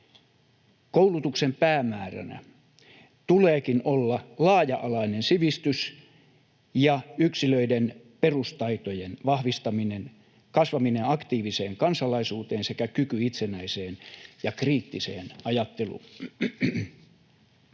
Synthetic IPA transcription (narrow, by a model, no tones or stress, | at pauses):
koulut̪uksempæːmæːræ̰næ̰ | t̪uleːkinolːɑlɑːjɑʔɑlɑinensiʋist̪ys | jɑyksiløiden | perust̪ɑit̪ojenʋɑhʋist̪ɑminen | kɑsʋɑmineɑkt̪iːʋiseːŋkɑnsɑlɑisuːt̪eːnsekækykyit̪senæiseːnjɑkriːt̪ːisḛːnɑjɑt̪ːelṵː